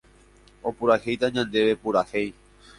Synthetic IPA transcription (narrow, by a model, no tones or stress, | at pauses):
o̞puɾahejt̪aɲãnd̪e̞ʋe̞puɾahej